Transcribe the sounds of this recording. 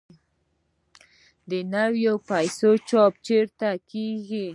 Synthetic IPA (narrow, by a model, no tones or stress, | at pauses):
d̪ənawjopajsot͡ʃɑp̚t͡ʃeɾt̪akeɡi